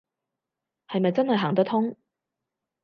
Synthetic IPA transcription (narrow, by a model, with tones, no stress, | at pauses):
hɐ˨jmɐ˨jt͡sɐ˥nhɐ˨jɦaː˨˩ŋt̪ɐ˥kt̪ʰʊ˥ŋ